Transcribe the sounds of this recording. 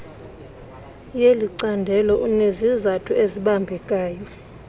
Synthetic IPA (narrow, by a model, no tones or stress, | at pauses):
jeliǀandʱɛlɔʔunezizatʰueziɓambʱɛkʼaːjɔ